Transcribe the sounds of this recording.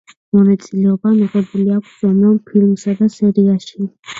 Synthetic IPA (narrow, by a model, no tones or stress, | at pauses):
mɔnat̪sʼilɛɔbamiʁɛbuliakʷʰsz̥ɔnɔmpʰilmsad̪asɛɾiaʃi